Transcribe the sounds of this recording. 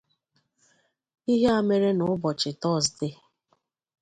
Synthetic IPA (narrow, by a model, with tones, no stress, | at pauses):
i˦ɦe˦a˦me˦ɾe˦nʊ˨ʊ˦bɔ˨t͡ʃɪ˨tɔ˦˨sdɪ˦